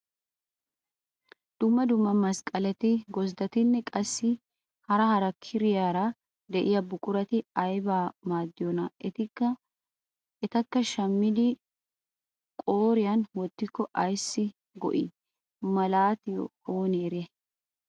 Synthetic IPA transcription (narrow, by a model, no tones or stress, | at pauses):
d̪̥ʊmːɐd̪ʊmːɐmɐskʼɐlɛt̪ɪɡɔzd̪ɐt̪ɪnːɛkʼɐsːɪ | hɐɾɐhɐɾɐkʰːɪɾɪjaːɾɐ | d̪ɛʔɪjɐbʊkʼʊɾɐt̪ɪɐjbaːmaːd̪ːɪjɔnɐɛt̪ɪkːɐ | ɛt̪ɐkːɐʃɐmːɪd̪ɪ | kʼo̞ːɾɪjɐnwɔt̪ːɪkːɔʔɐjsːɪ | ɡɔ̰ʔɪ̰ | mɐlaːt̪ɪjɔ̰oːneːɾɪɛ